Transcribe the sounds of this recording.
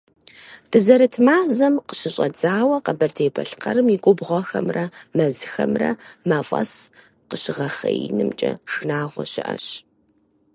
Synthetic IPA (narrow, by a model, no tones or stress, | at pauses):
d̥ʰɨzɐɾɨtʰmaːzɐmqə̥ɕɪɕʼɐd͡zaːwɐqɐbɐrtʰeːbʰɐ̰ɬqɐɾɨmiɡʷʼʊbʁʷɔxɐmrɐmɐzɨxɐmrɐ̰mɐfʼɐs | qəɕɪʁɐχɐjḭnɨmt͡ʃʼɐ̰ʂɨnaːʁʷɔ̰ɕɪʔɐ̰ɕ